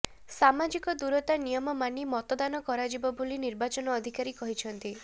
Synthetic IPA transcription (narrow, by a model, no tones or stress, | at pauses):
samad͡ʒikɔd̪uɾɔt̪anijɔmɔmanimɔt̪ɔd̪anɔkɔɾad͡ʒibɔbuliniɾbat͡ʃɔnɔːd̪ʱikaɾikɔɦit͡ʃʰɔnt̪i